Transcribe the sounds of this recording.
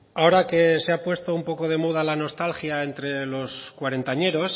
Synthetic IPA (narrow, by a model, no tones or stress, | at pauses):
ao̞ɾake̞seapwe̞st̪oumpo̞ko̞ð̞e̞muð̞alano̞st̪alxjae̞nt̪ɾe̞lo̞skwaɾe̞nt̪aɲe̞ɾo̞s